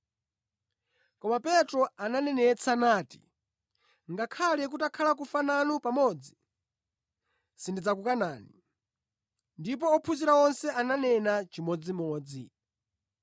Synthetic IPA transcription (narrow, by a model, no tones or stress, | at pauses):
kɔmapɛtɾɔananɛnɛt͡sʰanaːti̥̰ | ŋɡakʰalɛk̬utakʰalak̬ufananupamɔːd͡zi | sindid͡zakukanaːni | ndip̬ɔɔpʰuziɾawɔnsɛananɛnat͡ʃimɔd͡zimɔːd͡zḭ